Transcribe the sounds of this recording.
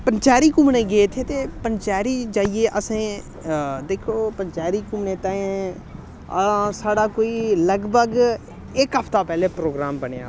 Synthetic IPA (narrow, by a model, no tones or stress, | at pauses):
pənt͡ʃaːɾiːkumnẽːɡeet̪ʰeːt̪eːpənt͡ʃaːɾiːd͡ʒaːieːʔəsẽː | d̪eːkʰoːpənt͡ʃaːɾiːkumɳẽːt̪ãːẽ | ə̰̃saːɖaːkoːiːləɡbəɡ | ɪkɦəpʰt̪aːpɛːleːpɾoːɡɾaːmbəneja̰ː